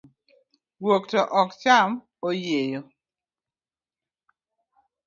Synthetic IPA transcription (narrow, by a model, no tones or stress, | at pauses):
woktɔʔɔkt͡ʃam | ojejo